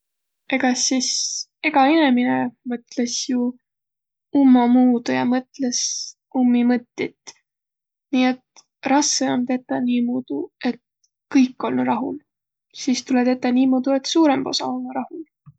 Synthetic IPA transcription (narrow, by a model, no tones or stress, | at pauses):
e̞ɡ̥ɑsiseɡ̥ɑeneminemɤt̪ˑle̞sju | umːɑmuːd̪̥ujɑmɤt̪le̞s | umːimɤt̪ʲːit̪ː | niːe̞t̪ | rɑskeont̪e̞t̪ːˑɑniːmoːd̪̥ue̞t̪ | kɤjkːˑo̞lnuɾɑɦṵl | siːst̪ulet̪et̪ːˑɑniːmod̪̥ue̞t̪ˑsuːɾemb̥o̞̰sɑ̰olːuɾɑhul